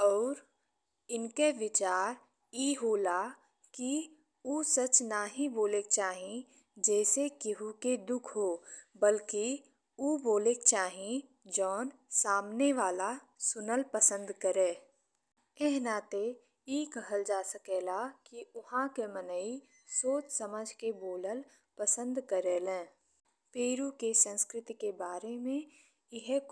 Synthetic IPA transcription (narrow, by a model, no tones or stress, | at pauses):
ɔːɾ | ɪnkeʋɪt͡ʃaːɾ | iːɦoːla | ki | uːsət͡ʃnaɦiboːlek̚t͡ʃaːɦĩ | d͡ʒɛːsekɪɦuked̪ʊkʰɦobəlki | uːboːlekt͡ʃaːɦĩ | d͡ʒɔːn | saːmneʋaːla | sʊnəlpəsə̃nd̪kəɾeː | eɦnaːt̪e | iːkəɦəld͡ʒaːsəkeːlakiʊɦãkemənəi | soːt͡ʃsəməd͡ʒʱkeboːləl | pəsə̃nd̪kəɾelẽː | peːɾukesə̃nskɾɪt̪ikebaːɾemẽ | ɪɦ